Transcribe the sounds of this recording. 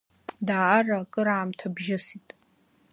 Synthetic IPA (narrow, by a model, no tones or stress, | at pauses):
daːarakʼɨɾaːmtʰabʒɪsitʼ